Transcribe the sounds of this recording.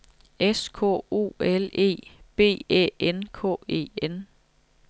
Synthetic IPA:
eskʰɔ̰o̝̰ːele̝̰ːb̥e̝̰ːɛ̰ːenkʰɔ̰ːe̝̰ːen

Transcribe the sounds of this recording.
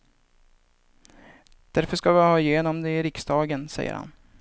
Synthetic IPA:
d̪̥æɾfœʂkavɪhɑːɪjeːnɔmd̪ɛɪɾɪksd̪ɑːɡənsɛ̰jːə̰ɾha̰n

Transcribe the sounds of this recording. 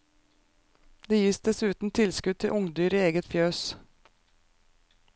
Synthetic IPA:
d̪eːjiːsd̪ɛsʉːt̪n̩t̪ʰɪlskʉd̪̚t̪ʰɪʔʊŋd̪yːɾiːeːɡət̪fjøːs

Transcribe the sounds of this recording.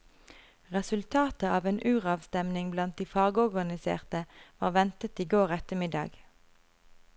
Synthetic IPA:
ʁɛsʉlt̪ʰɑːt̪əɑːʋeːnʔʉːʁɑːʋst̪ɛmnɪŋblɑnt̪̚d̪iːfɑːɡɔʁɡɑnɪsḛːʁt̪əʋɑːʁʋɛnt̪ət̪iːɡoːʁɛt̪əmɪd̪ɑ̰ːɡ

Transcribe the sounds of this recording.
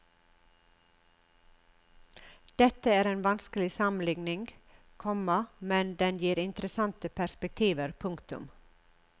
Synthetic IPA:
d̪̥ɛt̪əæːɾeːnʋɑnskəlɪsɑmən̩lɪɡnɪŋ | kʰɔməmɛnd̪ɛnjiːɾɪnt̪ɾəsɑnt̪əpʰæspək̚t̪ʰiːʋəɾpʰʊŋkt̪ʉ̰m

